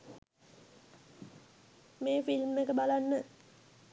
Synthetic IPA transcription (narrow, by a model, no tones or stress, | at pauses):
meːfilmːekəbalanːə